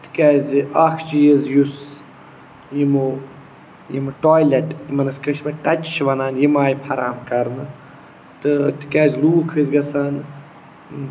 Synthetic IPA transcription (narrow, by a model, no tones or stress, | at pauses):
t̪ɨ̥kɛːzʲiʔɐkʰt͡ʃijizjus | jimu | jimɨʈoːjlɐʈjimɐnɐskɐʃʰbɐqɐt͡ʃʃʋɐnaːnjimaːjpʰɐɾa̰ːmkɐɾnɨ | t̪ɨt̪ʰɨ̥kaːzʲluːkʰɨzɡɐsaːn